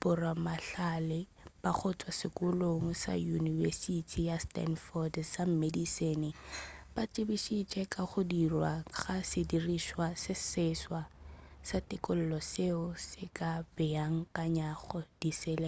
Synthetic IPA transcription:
bʊramaɬalɪ | b̥aχʊt͡sʼwasɪkʼʊloŋ̩sa̰junivɛ̰sitʼʰijastɛ̰nfɔdsam̩medisenɪb̥at͡ʃʼɪbiʃit͡ʃʼɛkʼaχʊdirwaɣasɪdiriʃwasɪsɪswasatʼɪkʊl̩lɔseʊsɪkʼab̥ɪaŋ̩kʼaɲaχɔd̥isɛlɛ

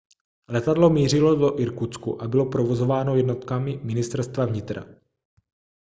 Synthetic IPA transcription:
lɛt̪adlo̞miːr̝ɪlo̞doʔɪɾkut͡skṵʔabɪlo̞pɾovo̞zo̞vaːno̞jɛdno̞t̪kamɪmɪnɪst̪ɛɾst̪vavɲɪt̪ɾa̰

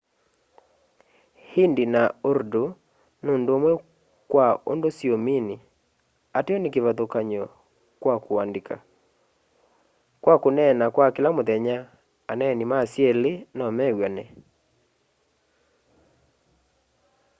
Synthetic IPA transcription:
hindinaoɾdo | noːndoomwɛ | kwao̰ndosiomini | ateɔnekeβaðokaɲɔ | kwakowandeka | kwakonɛnakwakelamoðɛɲa | anɛnimasjɛlenɔmɛɣwanɛ

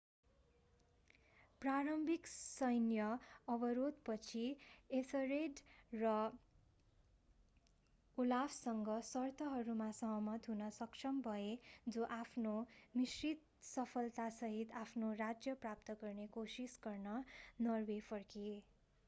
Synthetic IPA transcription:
praɾʌmbʱiksʌjnjʌʌbʌɾod̪̚pʌt͡sʰiesʌɾeɖrʌ | ulabʰsʌŋɡʌsʌrt̪ʰʌɦʌɾumasʌɦʌmʌt̪ɦunʌsʌkt͡ʃʰʌmbʱʌed͡zoʔapʰnomisrit̪̚ | sʌpʰʌlt̪asʌɦit̪apʰnorad͡zjʌprap̚t̪ʌɡʌrnekosisɡʌrnʌnʌrwepʰʌrkie

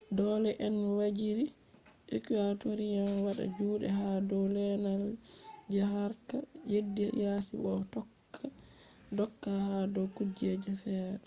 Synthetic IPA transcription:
dɔːlɛʔɛnwad͡ʒiɾi | ʔikiatoɾijanwaɗa̰d͡ʒuːɗɛ̰hadɔwlɛnald͡ʒaɦaɾkajedːɛjasiɓɔtɔkʰːa | dɔkːahadɔkud͡ʒɛd͡ʒɛfɛːɾɛ

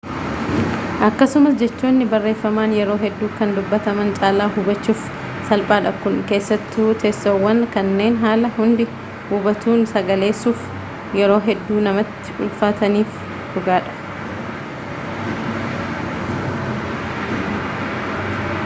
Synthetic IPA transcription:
ʔɐkːɐsʊmɐsd͡ʒɛt͡ʃːoːnːɪbɐrːe̞ːfːɐmaːnjɛɾo̞ːɦɛd̪ːuːkɐnd̪ʊbːɐt̪ɐmɐnt͡ʃʼaːlaːɦʊbɐt͡ʃːuːf | sɐlpʼaːᶑɐkʊnke̞ːsːɐt̪ːut̪ɛsːɐwːɐnkɐnːe̞ːnɦaːlɐhʊnd̪ɪ | hʊbɐt̪uːnsɐɡɐle̞ːsuːf | jɛɾo̞ːɦɛd̪ːuːnɐmɐt̪ːɪ̥ʊ̰lfaːt̪ɐniːf | hʊɡaːᶑɐ̥

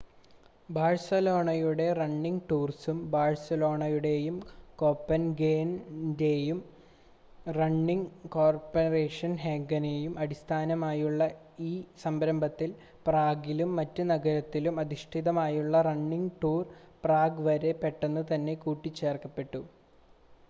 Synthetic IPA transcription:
baːɻsɐlo̞ːɳɐjuɽe̞rɐɳːiŋɡʈuːrsumbaːɻsɐlo̞ːɳɐjuɽe̞jumko̞ːpːɐnɡeːnde̞jum | rɐɳːiŋko̞ːrpɐre̞ːʂɐnɦeːɡɐnejumɐɽist̪ʰaːnɐmaːjuɭːɐ | iːsɐmbɾɐmbʱɐt̪ːil | praːɡilumːɐtːunɐɡɐɾɐt̪ːilumɐðiʂʈʰiðɐmaːjuɭːɐrɐɳːiŋɡʈuːrpraːɡʋɐɾe̞pːe̞ʈːenːut̪ɐnːe̞kuːʈːit͡ɕːe̞ːrkɐpːe̞ʈːu

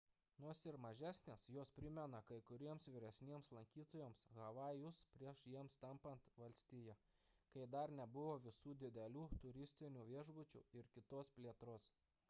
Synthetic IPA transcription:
noːsɪɾmɐʒʲæːsʲnʲeːsjoːspʲɾʲɪmʲɛnɐkɐɪkʊɾʲiɛmsʋʲiɾʲɛsʲnʲiɛmslˠɐŋʲkʲiːt̪oːjoːmsɣɐʋɑːjʊspʲɾʲiɛʃjiɛmst̪ɐmpɐnt̪ʋɐlʲsʲt̪ʲiːjɛ | kɐɪd̪ɐɾnʲɛbʊʋoːʋʲɪsuːd̪ʲɪd̪ʲɛlʲuːt̪ʊɾʲɪsʲt̪ʲɪnʲuːʋʲiɛʒbʊt͡ʃʲṵːɪɾkʲɪt̪oːspʲlʲiɛt̪ɾoːs

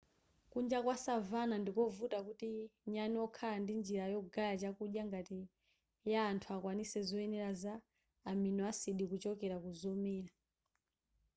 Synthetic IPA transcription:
kund͡ʒakwasavanandikɔvutakutiɲaniɔkʰalandind͡ʒiɾajɔɡajat͡ʃakuɗjaŋɡati | jaːntʰuakwanisɛzɔɛnɛɾazaː | minɔasiɗikut͡ʃɔkɛɾakuzɔmɛːɾa

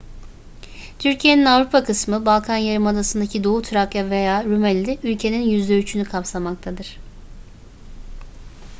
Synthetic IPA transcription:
t̪ʰyɾcʰije̞ninavɾupʰakʰɯsmɯbalˠkʰanjaɾɯmad̪asɯnd̪acʰid̪o̞ut̪ʰɯɾaklʲave̞jaːɾymælʲːiylʲcʰe̞ninjyzd̪ɛyt͡ʃʰynykʰapsamak̚t̪ʰad̪ɯɾ̥

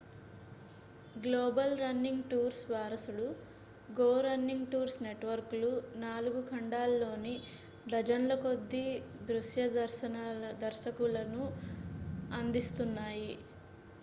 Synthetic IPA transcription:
ɡloːbɐlɾɐnːiŋɡʈuːɾsʋaːɾɐsuɽu | ɡoːɾɐnːiŋɡʈuːɾsne̞ʈʋɐɾklunaːluɡukɐɳɖaːlːo̞ːni | ɖɐd͡ʒɐnlɐko̞d̪ːid̪ɾuʂjɐɐɾɐnɐɐd̪ɐɾʃɐkulɐnu | ɐnd̪ist̪unːaːji

